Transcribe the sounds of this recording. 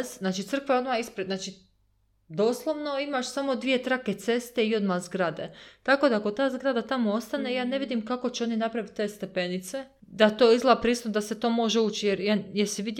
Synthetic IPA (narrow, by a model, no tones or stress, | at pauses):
zznaːt͡ʃit̪sɾr̩kʋeo̞d̪maispɾed̪naːt͡ʃi | d̪oslˠo̞ʋno̞imaʃsamo̞d̪ʋije̞t̪ɾake̞t̪se̞st̪e̞io̞d̪mazɡɾad̪et̪ako̞ːd̪aakot̪aːzɡɾad̪at̪amo̞ost̪anejaːne̞ʋid̪imkako̞t͡ɕɛo̞ninapɾaʋit̪̚ʲːe̞ːst̪e̞pe̞nit̪se̞ | d̪at̪o̞ːizlˠapɾiːst̪ud̪aset̪o̞ːmo̞ʒeuːt͡ʃijeɾjjeɾsiʋid̪j